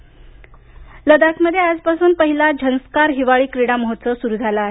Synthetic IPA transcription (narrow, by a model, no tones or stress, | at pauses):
ləd̪akməd̪ʱjead͡zpasuːnpəɦilad͡ʑʱənskaɾɦiʋaɭiːkɾiɽaməɦotːsəsuɾuːd͡zʱalaːɦe